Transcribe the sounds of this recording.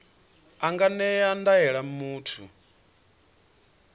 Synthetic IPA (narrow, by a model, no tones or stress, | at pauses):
aŋɡanɛandaɛɺamuːtʰṵ